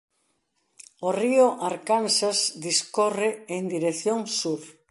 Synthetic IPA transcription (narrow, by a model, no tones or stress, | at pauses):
oriʊʔaɾkansasd̪iskɔreend̪iɾeθjoŋsuɾ